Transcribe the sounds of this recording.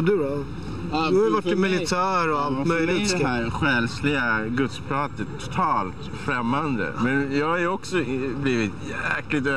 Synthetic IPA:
d̪ɵbɔ | d̪ɵhajəvaʈːɪmɪlɪt̪ʰæːɾɔalt̪mœjlɪɛæːɾɧɛlslɪɡaɡɵt̪spʰɾɑːt̪ət̪ʰːʊ̥t̪ʰɑːlt̪ | fɾɛmːand̪ə̰mɛnjɑːɡhajɔksɔbliːvɪt̪jɛklɪt̪ø

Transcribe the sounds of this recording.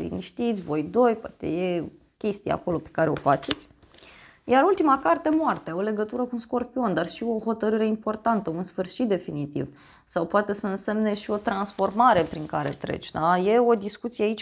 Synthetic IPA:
lḭniʃt̪it̪sʲvo̞jd̪o̞jpoat̪e̞̰je̞ | kʲe̞st̪ia̰ko̞lo̞pe̥kaɾeo̞fat͡ʃe̞t̪sʲ | jaɾult̪imakart̪e̞moart̪eaole̞ɡət̪uɾəkuunsko̞rpio̞nd̪arʃio̞ɦo̞t̪əɾɨɾe̞impo̞rt̪ant̪əunsfɨrʃit̪̚d̪e̞finit̪ḭv | sawpoat̪e̞səɨnse̞mne̞ʃio̞t̪ɾansfo̞rmaɾe̞pɾiŋkaɾe̞̰t̪ɾḛt͡ʃʲd̪aje̞o̞d̪iskut̪sijeait͡ʃʲ

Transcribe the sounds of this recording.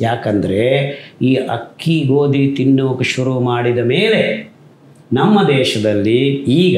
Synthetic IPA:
jaːkɐnd̪ɐɾe̞iːɐ̰kːiɡoːd̪it̪inːuʋɐkɐʃuɾumaːɽid̪ɐmeːle̞ | nɐmːɐd̪ɛːʃɐd̪ɐlːiiːɡɐ

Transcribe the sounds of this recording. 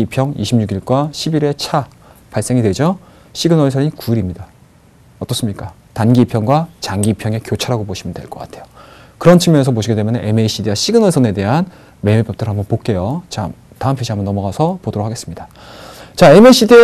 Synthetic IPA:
ipʰjʌŋḭɕʰimɲuɡiɭk͈waɕʰibiɾe̞t͡ɕʰa | paɭs͈e̞ŋidwe̞d͡ʑo | ɕʰiɡɯnʌɭsʰʌɲinkuɾimɲida | ʌt͈ʌs͈ɯmɲik͈atanɡiːpʰjʌŋɡwat͡ɕaŋɡiːpʰjʌŋe̞kjot͡ɕʰaɾaɡoboɕʰimɯndwe̞̰ɭk͈ʌk͈a̰tʰe̞jo̥kɯɾʌnt͡ɕʰimjʌŋes̬ʰʌpoɕʰiɡe̞dwemjʌneʔeme̞iɕ͈ʰidiwaɕʰiɡɯnʌɭsʰʌne̞de̞ɦan | me̞mepʰjʌk̚t͈ɯɾɦambʌnpok͈e̞jot͡ɕa̰m | taɯmpʰeɕiambʌnːʌmʌɣasʰʌpodoɾokʰaɡe̞s͈ɯmɲida | t͡ɕaemeɕ͈ʰidi

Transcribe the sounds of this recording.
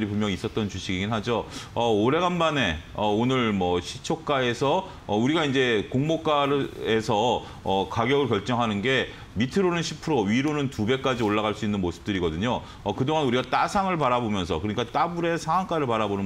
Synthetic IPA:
ɾipumjʌŋis͈ʌt̚t͈ʌnt͡ɕuɕʰiɡiɡinɦad͡ʑoʌoɾe̞ɡanbane̞ʌonɯɭmʌɕʰit͡ɕʰok̚k͈ae̞sʰʌ | ʌuɾiɡaind͡ʑe̞koŋmok͈aɾe̞sʰʌ | ʌkaɡjʌɡɯɭkjʌɭt͡ɕ͈ʌŋɦanɯnɡe̞ | mitʰɯɾonɯnɕʰi̥pʰɯɾoɥiɾonɯntube̞k͈ad͡ʑioɭːaɣaɭs͈uinːɯnmosʰɯ̥t͈ɯɾiɡʌdɯɲo | ʌkɯdoŋanuɾiɡat͈asʰaŋɯɭpaɾabomjʌns̬ʰʌkɯɾʌɲik͈at͈abuɾe̞sʰaŋwaŋk͈aɾɯɭpaɾabonɯ

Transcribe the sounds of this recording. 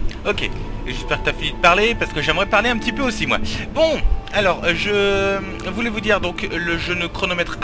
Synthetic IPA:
ɔkʲḛeʒɛspɛʁkət̪yafinyd̪əpaʁlepaʁsə̥kəʒɛmʁɛpaʁleɛ̃pət̪ipøosimwa̰bɔ̃alɔːʁʒə | vulɛvud̪iʁd̪ɔ̃kləʒənəkχɔnɔmɛt̪χ

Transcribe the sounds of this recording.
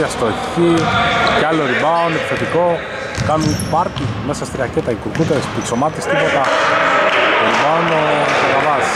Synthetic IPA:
ɐst̪otcicealoɾibaonepi̥θet̪iko̞ | kanunpɐɾtimesɐst̪ɾiɐcet̪ɐikuɾkut̪eɾespiksomat̪ist̪ipot̪ɐ | oɾibaonot̪oɣɐvɐz

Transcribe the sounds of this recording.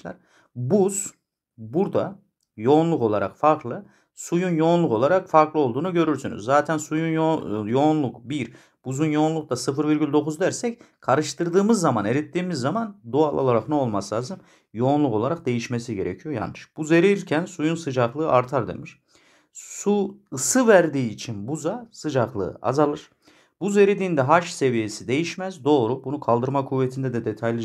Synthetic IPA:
la̰ɾ | buz̥ | buɾd̪a | jo̞ːnlˠuko̞lˠaɾa̰kfaɾklˠɯ | sujunjo̞nlˠuko̞lˠaɾakfaɾklˠɯo̞lˠd̪uːnuɟø̞ɾyɾsyny̰zːaːt̪ʰænsujunjo̞nlˠukbiɾ | b̥uzunjo̞ːnlˠuk̚t̪ʰasɯfɯɾviɾɟʲylʲd̪o̞kuzd̪æɾsɛc | kʰaɾɯʃt̪ʰɯɾd̪ɯːmɯzːamane̞ɾit̪ʰːiːmizːamand̪ualˠolˠaɾaknɛo̞lˠmaslʲˠaːzɯm | jo̞ːnlˠuko̞lˠaɾak̚d̪e̞jiʃme̞siɟe̞ɾecʰijoja̰nːɯʃb̥uze̞ɾilcʰænsujunsɯd͡ʒaklˠɯːʔaɾt̪ʰaɾd̪ḛmiʃ | suɯsɯvæɾd̪iːt͡ʃʰinbuzasɯd͡ʒaklˠɯ̰ɯ̰a̰zalˠɯɾ̥ | b̥uze̞ɾid̪ind̪ɛɦaʃse̞vije̞sid̪e̞jiʃmæzd̪o̞ːɾubunukʰalˠd̪ɯɾmakʰuvːet̪ʰind̪ɛd̪ɛd̪et̪ʰajlʲˠi

